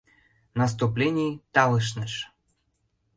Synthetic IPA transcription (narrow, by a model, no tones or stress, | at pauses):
nɐs̬t̪uplʲenʲijt̪ɑlɤʃ̬nəʃ